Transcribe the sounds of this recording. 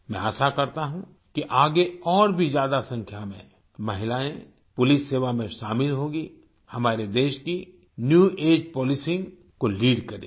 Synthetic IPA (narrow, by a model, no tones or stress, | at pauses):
mɛ̃aːsakɐɾt̪aɦũ | kiʔaːɡeɔːɾbʱizjaːd̪asɐ̃ŋkʰjamḛ̃ | mɐɦɪlaːẽ | pʊlɪsːeːʋamẽʃaːmɪlɦoːɡi | hɐmaːɾed̪eːʃki | njuːeːd͡ʒpɔːlɪsɪ̃ŋɡ | koliːɖkɐɾḛː